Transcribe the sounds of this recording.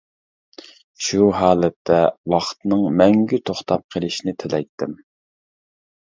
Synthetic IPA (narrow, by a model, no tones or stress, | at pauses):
ʃuɦɑːlɛt̪ʰːɛwɑχt̪nɨŋmɛŋɡʲyt̪ʰoχt̪ʰɑp̚qʰəlˠɪʃinɪt̪ʰɪlɛjt̪ʰːɪm